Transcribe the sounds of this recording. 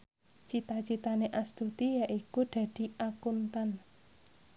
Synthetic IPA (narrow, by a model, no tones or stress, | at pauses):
t͡ʃit̪at͡ʃit̪aneʔast̪ut̪ijaʔikud̪̥ä̤d̪̥i̤ʔakunt̪an